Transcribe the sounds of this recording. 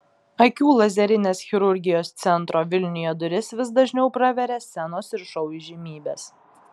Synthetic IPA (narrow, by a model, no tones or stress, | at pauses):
ɐkʲuːlˠɐzʲɛɾʲɪnʲeːsxʲɪɾʊɾʲɡʲɪjoːst̪sʲɛnt̪ɾoːʋʲɪlʲnʲɪjoːd̪ʊɾʲɪsʋʲɪsd̪ɐʒʲnʲɛʊpɾɐʋʲɛɾʲeːsʲɛnoːsɪɾʃɐʊjʒʲɪmʲiːbʲeːs